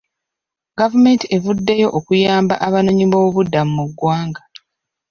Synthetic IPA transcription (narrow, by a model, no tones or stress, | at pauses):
ɡavume̞ːntie̞vudːe̞jo̞ʔokujaːmba̰ʔaβano̞ɲiβouβudːamumuɡwaːŋɡa